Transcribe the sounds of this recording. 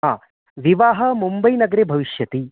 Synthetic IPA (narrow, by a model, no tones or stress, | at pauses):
a | ʋiʋaːɦɐmumbɐjnɐɡɾebʱɐʋiʃjɐt̪i